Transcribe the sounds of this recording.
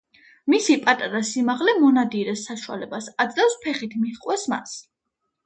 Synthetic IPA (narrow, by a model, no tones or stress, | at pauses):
misipʼat̪ʼaɾasimaʁlɛmɔnad̪iɾɛsːaʃwa̰lɛbasad̪zlɛfspʰɛχit̪ʰmiʁqʼwɛsma̰s